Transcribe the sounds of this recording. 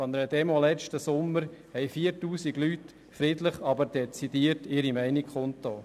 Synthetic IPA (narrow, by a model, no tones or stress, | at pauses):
ɔnəɾəd̪ɛmolɛt͡ʃtəsʊmːəɾhɛɪfiːəɾtuːsiɡlyt | fɾɪdləχɑbəɾd̥ɛt͡sidiːəɾtɪɾimɛɪnikχʊntoː